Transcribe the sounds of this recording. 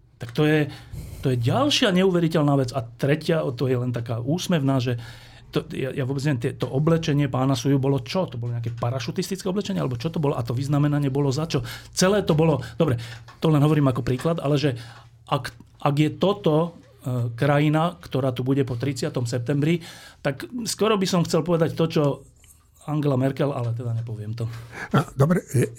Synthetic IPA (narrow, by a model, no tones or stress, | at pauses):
t̪akt̪ɔjɛt̪ɔjɛɟalʃɪaɲɛuːʋɛɾicɛlnaːʋɛd͡zat̪ɾɛcɪaɔt̪ɔjɛlɛnt̪akaːʔuːsmɛʊnaːʒɛ | t̪ɔja̰jaʋɔbɛd͡znɲɛʋɛmt̪ɛt̪ɔʔɔblɛt͡ʃɛɲɪɛpaːnasujubɔlɔt͡ʃɔt̪ɔbɔlɔɲɛakɛːpaɾaʃut̪ist̪it͡skɛːɔblɛt͡ʃɛɲɪɛalɛbɔt͡ʃɔt̪ɔbɔlɔʔat̪ɔʋiznamɛnaɲɪɛbɔlɔzat͡ʃɔt͡sɛlɛːt̪ɔbɔlɔd̪ɔbɾɛt̪ɔlɛnɦɔʋɔɾiːmakɔpɾiːklad̪a̰lɛʒɛ | ʔak | ʔaɡjɛt̪ɔt̪ɔ | kɾajinakt̪ɔɾaːt̪ubuɟɛpɔt̪ɾit͡sɪat̪ɔmsɛp̚t̪ɛmbɾit̪akskwɔɾɔbisɔmxt͡sɛlpɔʋɛd̪act̪ɔt͡ʃɔ | aŋɡɛlamɛɾkɛla̰lɛt̪ɛd̪aɲɛpɔʋɪɛmt̪ɔad̪ɔbɾɛ